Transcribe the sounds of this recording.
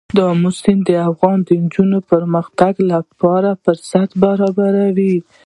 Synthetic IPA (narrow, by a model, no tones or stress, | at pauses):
d̪ɑmʊsɪmd̪əafɣɑnd̪ənd͡ʒunopəɾməxt̪aɡlapɑɾapəɾsat̪baɾɑbaɾawi